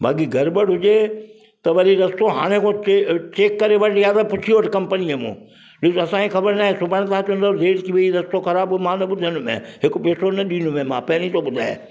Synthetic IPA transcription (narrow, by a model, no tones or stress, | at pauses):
bʱa̰ːkiɡʱɐɾbəɽɦʊd͡ʑe | t̪ɐʋɐɾiɾɐst̪oɦa̰ːɽ̃ẽkʰõt͡ʃet͡ɕeːkːɐɾeʋɐʈjaːd̪apʊt͡ʃʰiʋəʈkɐ̃mpəniemṵ̃ː | ɗɪsɐsãixɐbəɾnaːɦesʊbʱəɽ̃t̪ʰãːt͡ʃɐ̃nd̪azeːʈkiʋɐiɾɐst̪oxɐɾaːbmãːnɐɓʊd̪ʱənʊmḛ̃ɦɪkpeːsonɐɗĩːnʊmẽmã̰ːpɐɦɪñĩt̪oɓʊd̪ʱa̰ːḛ